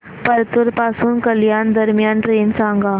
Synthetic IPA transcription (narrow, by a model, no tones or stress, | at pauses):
pɐɾt̪uɾpaːsuːnkɐljaːnd̪ɐɾmɪjaːnɾeːnsaːŋɡaː